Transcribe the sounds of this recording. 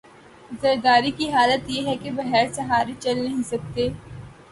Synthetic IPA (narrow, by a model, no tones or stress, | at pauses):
zɐɾd̪aːɾikiɦaːlət̪jeɦɛkebɐɦɛːɾsɐɦaːɾet͡ʃɐlnɐɦĩsɐk̚t̪eː